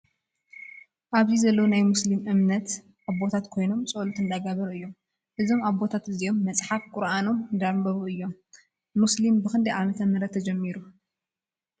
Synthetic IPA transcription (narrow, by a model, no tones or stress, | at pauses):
ʔaβzizɐlːɐwonajmuslimʔɨmnɐt̪ | ʔaβbo̞t̪ʰat̪kʰo̞jno̞mt͡sʼolut̪ɨnd̪aɡaβɐɾɨjːo̞m | ʔɨzo̞maβbo̞t̪ʰat̪ɨzio̞mːɐt͡sʼħafkʼʊɾano̞md̪aɾbɐβuɨjːo̞mː | uslimbɨkɨnd̪ɐjʔamɐt̪ʰɐmɐɾɐt̪ʰːɐd͡ʒɛmːiɾu